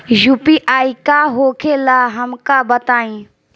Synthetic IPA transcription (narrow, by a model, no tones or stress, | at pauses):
juːpiʔaːikaɦoːkʰelaːɦəmkabət̪aːĩː